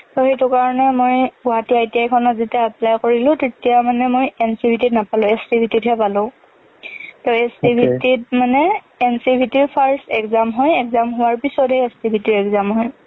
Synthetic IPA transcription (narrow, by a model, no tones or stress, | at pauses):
tɔxejtʊkaɹɔnɛmojbɔɦatiaetijajkʰɔnɔtzitiaːplajkoɹilʊ̃tetijamanɛmojɛnsibʱitidnapalʊ̃ɛstibʱitidɦɛpalʊ̃ | tɔɛstibʱitit̚manɛ | ɛnsibʱitiɹpʰaɹsɛkzamɦɔjɛkzamɦʊwaɹpisɔtɛɛstibʱitiɹɛkzamɦɔj